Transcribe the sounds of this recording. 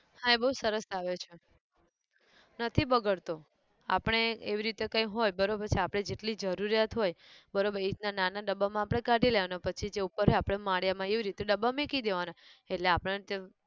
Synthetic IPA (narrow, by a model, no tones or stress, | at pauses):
hãebəɦusəɾəsaʋet͡ʃʰe | nət̪ʰibəɡəɭt̪o | a̰pəɽ̃eeʋiɾit̪ekãjɦojbəɾobəɾt͡ʃʰiapɽ̃ed͡ʒeʈlid͡ʒəɾuɾjat̪ɦojbəɾobəɾit̪nananaɖəbamãapɽ̃ekaʈileʋanapət͡ʃʰid͡ʒeupəɾɦojapɽ̃emaɽjamãeʋiɾit̪eɖəbamekid̪eʋanaeʈleapəɽ̃e